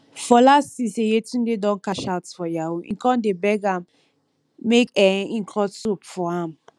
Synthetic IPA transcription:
fɔlasisejetũn̩dedɔ̃nkaʃaʊtfɔjaoʔḭ̃kɔ̃ndebɛɡãm | mekɛĩŋkʰlɔsupfɔãm

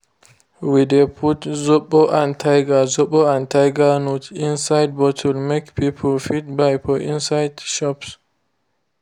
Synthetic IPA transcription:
widepʰutzɔɓɔʔãntʰajɡazɔɓɔãntajɡanutĩnsajd̚bɔtʰulmekpipʰulfit̚bajpɔʔĩnsajdʃɔps

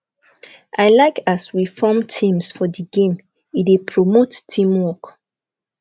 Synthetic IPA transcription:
ʔaɪlaɪkʰaswifɔmtʰĩmsfɔdiɡẽm | iepʰɹomotːʰĩmwɔk

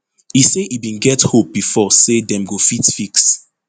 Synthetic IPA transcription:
iseʔibĩnɡɛthop̚b̥ifɔsedɛ̃mɡofitfiks

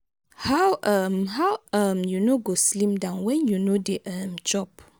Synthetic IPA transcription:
hawʔʌmɦawãmjunoɡoslĩmdãʊ̃nwɛ̃njunodeʔəmd͡ʒɔp

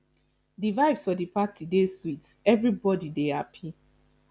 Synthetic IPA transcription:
divaɪvsfɔdipatʰideswitɛvɹibɔdidehapʰi

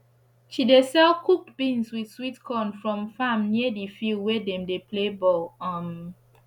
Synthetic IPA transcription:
ʃidesɛlkʰuk̚tbĩnswid̥switkʰɔ̃nfɹɔ̃mfamniədifilˠdwɛdɛ̃mdepʰlebɔlãm

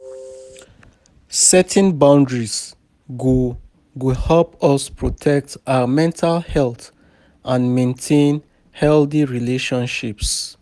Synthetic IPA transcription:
sɛtʰɛ̃nbãʊ̃ndɹis | ɡu | ɡuhɛpɔspɹɔtʰɛk̚taəmɛ̃ntʰalhɛlˠt | ʔãnmẽntʰẽn | hɛlθiɹileʃɔ̃nʃips

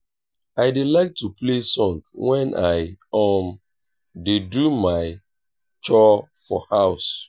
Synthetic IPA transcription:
aɪdelaɪk̚tuplesɔ̃ŋwɛ̃nʔaɪɔm | dedumaɪ | t͡ʃɔfɔ̰haʊs

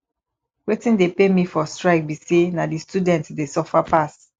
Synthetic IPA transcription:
wetĩndepemifɔstɹaɪk̚bisenadistudɛ̃ntdesɔfapas

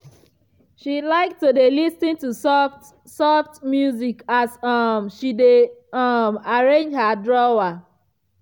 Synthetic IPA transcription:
ʃilaɪk̚tudelistĩntusɔft | sɔftmjuzikasʌmʃideʌmaɹẽnd͡ʒhadɹɔwa

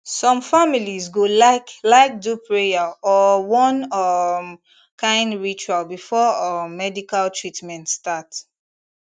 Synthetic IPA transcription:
sɔ̃mfamilizɡolaklaɪk̚dupʰɹejaɔwɔ̃nʌm | kʰãɪ̃ndɹit͡ʃualbifɔʌːɛdikaltʰɹitmɛ̃ntstats

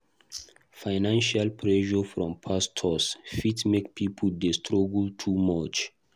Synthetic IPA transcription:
fajnãnʃalpʰɹɛʃɔfɹɔ̃mpʰastʰɔsfitmekpʰipʰl̩dɛstʰɹoɡltʰumat͡ʃ

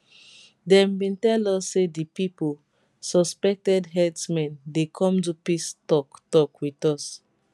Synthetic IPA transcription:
dɛ̃mbĩntɛlɔsːedipipol | sɔspɛk̚tɛdɦɛtsmɛ̃ndekʰɔ̃mt̬upistɔktɔkwitɔs

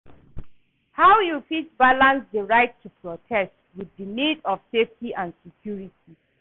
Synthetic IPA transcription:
hawjufisbalãnsdəɹaɪtʰːupʰɹɔtʰɛstwiðənidɔv̥seftiʔãndsikʰjuɹitʰi

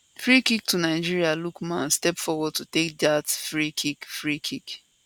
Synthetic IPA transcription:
fɹikik̚tunaɪd͡ʒiɹialukmãnstɛpfɔwɔd̚tutekdatfɹikʰikfɹikʰik

